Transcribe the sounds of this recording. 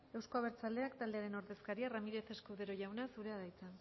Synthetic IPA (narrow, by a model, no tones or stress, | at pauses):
e̞wsko̞aβe̞ɾt͡sald̪e̞akt̪ald̪e̞aɾe̞no̞ɾðe̞skaɾiaramiɾe̞θeskuðe̞ɾo̞ʝawnasuɾe̞aðajt͡sa